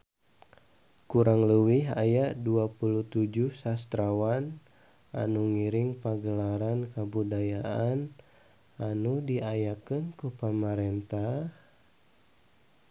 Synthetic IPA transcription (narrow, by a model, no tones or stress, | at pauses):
kuɾaŋləwiɦa̰jaʔduapuluht̪ud͡ʒuhsast̪ɾawan | a̰nuŋiɾɪŋpaɡəlaɾankabudajaʔan | anudiajakənkupəmaɾɛnt̪ah